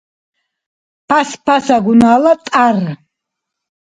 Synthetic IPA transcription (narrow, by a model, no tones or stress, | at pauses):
pʰaspʰasaɡunaːlat̪ʼar